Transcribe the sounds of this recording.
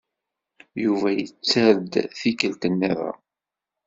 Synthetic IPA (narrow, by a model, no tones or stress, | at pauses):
juvæjət͡sːeɾd̪θikəlt̪ənːiða̰